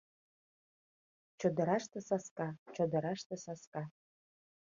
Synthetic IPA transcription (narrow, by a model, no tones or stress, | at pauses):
t͡ʃod̪ɤ̆ɾɑʃt̪ɤ̆sɑskɑt͡ɕod̪ɤ̆ɾɑʃt̪ɤ̆sɑskɑ